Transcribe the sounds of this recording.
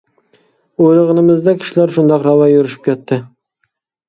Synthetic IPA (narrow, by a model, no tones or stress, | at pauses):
ojlˠɨʁənɨmɪzd̪ɑkʲʰi̥ʃilæɾʃund̪ɑqɾɑwɑjuɾɪʃi̥p̚kʲʰɛt̪ʰːɪ